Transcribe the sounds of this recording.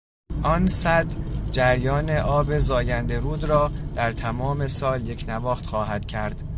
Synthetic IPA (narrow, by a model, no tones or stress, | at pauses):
ʔɒːnsæd̪d͡ʒæɾjɒːne̞ʔɒːbe̞zɒːjænd̪e̞ɾuːd̪rɒːd̪̥æɾt̪ʰæmɒːme̞sɒːlje̞cʰnævɒːxt̪χɒːɦæd̪̥cʰæɾd̪̥